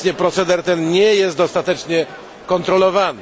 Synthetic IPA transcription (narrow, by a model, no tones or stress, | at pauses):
ɲɛpɾɔt̪sɛd̪ɛɾt̪ɛnɲɛjɛst̪̚d̪ɔst̪at̪ɛt͡ʂɲɛ | kɔnt̪ɾɔlɔvan